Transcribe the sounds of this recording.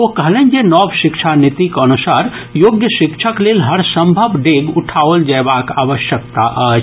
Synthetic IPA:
okəɦlɛnd͡ʒenɔbʃikt͡ʃʰanit̪ikənusaɾ | joɡjəʃikt͡ʃʰəklelɦəɾsəmbʱəbɖeɡuʈʰaʋəld͡ʒaebakaʋəʃjək̚t̪a̰ʔət͡ʃʰ

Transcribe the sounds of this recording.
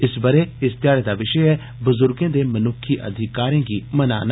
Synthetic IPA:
ɪsbəɾeːɪst̪jaːɽeːd̪aːʋɪʃəɛː | bʊzʊɾɡẽːd̪eːmənʊkʰːiːʔə̰d̪ʱɪkaːɾẽːɡiːməna̰ːn

